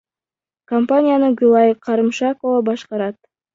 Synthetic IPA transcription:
kompanʲɪijanəɡʲulˠɑjqʰɑɾɨmʃakovabɑʃqɑɾɑt̪̚

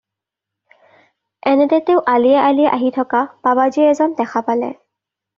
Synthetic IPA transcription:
ɛnɛdɛteʊʔaliɛʔaliɛʔaɦitʰɔkababaziɛɛzɔndɛxʰapalɛ̰

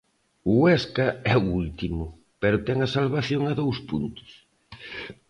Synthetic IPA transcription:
ʊwɛskɐɛuult̪imʊ | peɾʊt̪ɛŋɐsalβaθjoŋaðowspunt̪ʊ̥s

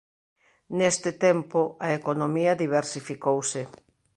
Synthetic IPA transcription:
nest̪ɪt̪ɛmpʊɐekonomiɐðiβ̞eɾsifikowsɪ

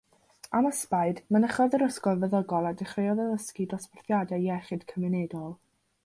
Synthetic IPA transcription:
aməspaɨdmanəχɔðəɾəskɔlvɛðɔɡɔlˠadɪχrejɔðəðəskidrɔspɛrθjadɛjɛχɨd̥kʰəmɛnɛdɔlˠ

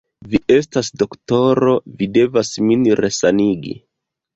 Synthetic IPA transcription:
viʔe̞stasdo̞kto̞ɾo̞vide̞vasminɾesaniɡḭ

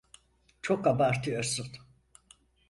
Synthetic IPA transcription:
t͡ʃʰokːabaɾt̪ʰɯjoɾsun

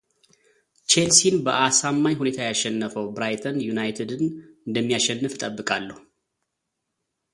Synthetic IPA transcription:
t͡ʃelsinbəʔasamːajhune̞t̪ʰajaʃɛnːəfəwbɾajt̪ʰənjunajt̪ʰed̪ɨnɨnd̪əmːijaʃɛnːɨfɨt̪ʼəbːɨkʼalːəhu

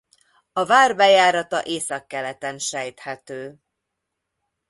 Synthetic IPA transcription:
ɒvaːrbɛjaːɾɒt̪ɒ̰ʔeːsɒkːɛlɛt̪ɛnʃɛjt̪hɛt̪øː

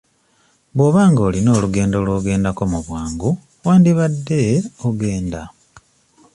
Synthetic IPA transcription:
βwoːβaːŋɡo̞ːlino̞ːluɡe̞ːndo̞lwoːɡe̞ːndako̞muβwaːŋɡu | waːndiβadːe̞oɡe̞ːnda

